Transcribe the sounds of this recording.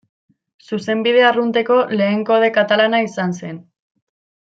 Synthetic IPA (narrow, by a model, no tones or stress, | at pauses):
suse̞mbið̞e̞arunt̪e̞ko̞le̞ːŋkoðe̞kat̪alanaisanse̞n